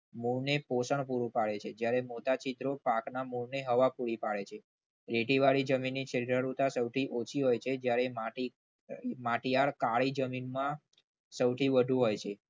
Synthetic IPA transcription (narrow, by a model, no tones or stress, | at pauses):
muɭneposəɳpuɾũpaɭet͡ʃʰed͡ʒjaɾemot̪at͡ʃid̪ɾopaknamuɭneɦəʋapuɾipaɭet͡ʃʰe | ɾeʈiʋaɽid͡ʒəminːit͡ʃʰəɾiɾəɾut̪asəwt̪ʰiʔot͡ʃʰiɦojt͡ʃʰed͡ʒjaɾemaʈi | maʈijaɭkaɭid͡ʒəminmã | səwt̪ʰiʋəd̪ʱũɦojt͡ʃʰe